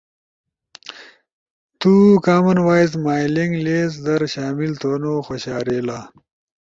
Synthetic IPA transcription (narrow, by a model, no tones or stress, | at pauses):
t̪ukaːmɐnwaːiz̬maːjliŋɡleːz̬d̪ɐɾɕaːmilt̪oːnoxoɕaːɾeːlaː